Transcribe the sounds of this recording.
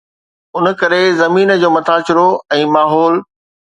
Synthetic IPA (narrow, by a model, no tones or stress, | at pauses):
ʊn̆kɐɾezɐmiːnə̆d͡ʑoːmɐt̪ʰaːt͡ɕɪɾoɛ̃ːmaːɦɔːl